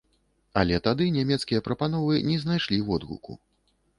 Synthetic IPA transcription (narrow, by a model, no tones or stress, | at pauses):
ɐlʲɛt̪ad̪ɨnʲamʲɛt̪skʲijɐpɾɐpanɔvɨnʲɛznajʂlʲiwɔd̪ɣṵkṵ